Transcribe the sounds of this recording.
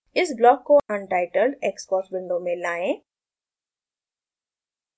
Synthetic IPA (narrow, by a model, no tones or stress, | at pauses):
ɪsblɔːkːoʔə̃nʈaːɪʈəlɖeːkskɔːsbɪ̃ɳɖomẽlaːẽː